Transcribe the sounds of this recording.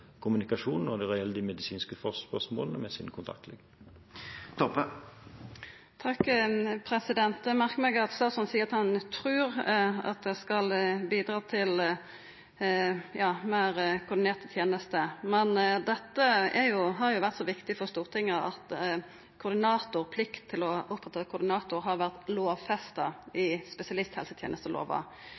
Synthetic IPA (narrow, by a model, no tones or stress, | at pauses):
kʰʊmʉnɪkɑʂuːnn̩ɔd̪ɛʁɛjɛləd̪ɪmɛd̪ɪsiːnskəfɔsspœsmo̰ːlənəmɛsḭːnəkʰʊnt̪ʰɑ̰k̚t̪ʰlɛ̰ɡ | t̪ʰɔpə | t̪ʰɑkpʰɾɛsɪd̪ɛnt̪mæʁkmɛɡɑt̪st̪ɑːt̪sɔnsiːəʁɑt̪hɑnt̪ʰɾʉːɾɑ̰t̪̚d̪ɛskɑlbiːd̪ɾɑːt̪ʰɪl | jɑːmæːɾkʰʊɾd̪ɪneːʁt̪ət̪ʰjeːnəst̪əmɛnd̪ɛt̪ːəɛɾjʊɦɑɾjʊʋæʁt̪sɔʋɪkt̪ɪfɔʁst̪uːʁt̪ʰɪŋːəɑ̰t̪ | kʰʊɾd̪ɪnɑːt̪ʊʁpʰlɪkt̪ʰːɪlɔʔʊpːɾɛt̪ʰːɑt̪̚kʰʊɾd̪ɪnɑːt̪ʊɾɦɑɾʋæʁt̪loːʋfɛst̪ɑɪspɛsɪɑlɪst̪hɛ̰lsət̪ʰjḛnəst̪əlʔo̰ːʋɑ̰